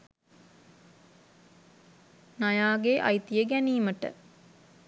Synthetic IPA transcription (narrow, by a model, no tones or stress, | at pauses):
najaːɡeʔa̰jt̪ijəɡæniːməʈə̰